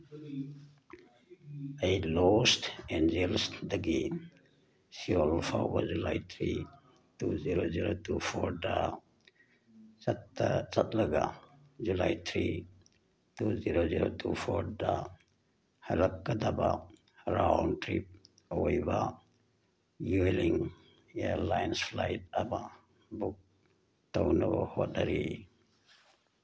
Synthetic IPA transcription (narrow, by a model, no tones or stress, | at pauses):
ajlostend͡ʒelsdaɡi | siɔlpʰa̰wbad͡ʒula̰jt̪ʰɾi | tuziɾoziɾotupʰoɾda | tt͡ʃat̪laɡa̰ | d͡ʒulajt̪ʰɾi | tuziɾoziɾotʰupʰoɾda | hɐlɐkːad̪aba | ɾawntɾip̚ | ojba | jueliŋ | eɾlajnspʰlajtɐba | buk̚ | tawnaba̰hot̚naɾi